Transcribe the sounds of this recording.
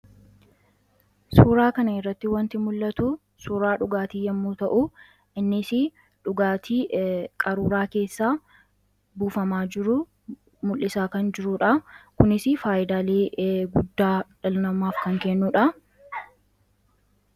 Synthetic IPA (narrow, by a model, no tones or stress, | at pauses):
suːɾaːkɐnɐɪrːɐt̪ːɪwɐnt̪ɪmʊlːɐt̪u | suːɾaːᶑʊɡaːt̪iːjɐmːuːt̪ɐʔʊ | ʔɪnːɪsɪ | ᶑʊɡaːt̪ʰiːkʼɐɾuːɾaːke̞ːsːaː | buːfɐmaːd͡ʒɪɾʊ | mʊlːɪsaːkɐnd͡ʒɪɾʊᶑɐkʊnɪsɪfaːʔɪd̪aːleːɡʊd̪ːaːᶑɐlʊnɐmaːfkɐŋkɛnːuːᶑɐ